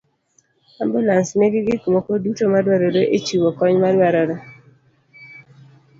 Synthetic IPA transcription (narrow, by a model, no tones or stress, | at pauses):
ambulansneɡɪɡɪkumokodutomadwaɾɔdoʔet͡ʃiwokɔɲmadwaɾɔdɔ